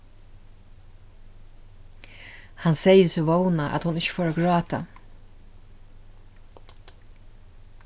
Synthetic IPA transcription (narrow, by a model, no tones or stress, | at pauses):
hansɛjəsɪʋownaʔa̰t̪hʊnɪɕə̥foːɾaɡɹɑːt̪a